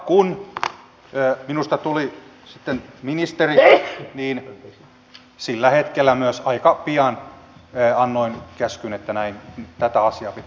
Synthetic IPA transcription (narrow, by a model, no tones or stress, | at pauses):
kun | øːminust̪ɑt̪uli | sit̪ːenminist̪eriniːn | silːæhet̪kelːæmyøsɑikɑpiɑnː | ɑnːoinkæskynet̪ːænæint̪æt̪æɑsiɑːpit̪